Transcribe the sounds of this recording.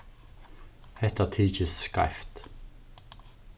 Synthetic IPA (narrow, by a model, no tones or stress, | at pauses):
hɛt̪ət̪ʰiːt͡ʃəsska̰ft̪